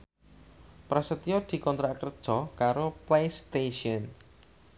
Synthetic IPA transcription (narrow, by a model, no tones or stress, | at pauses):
pɾasət̪iɔd̪̥i̤kɔnt̪ɾaʔkərd̥ʒ̥ɔkaɾoplejst̪eʃiɔn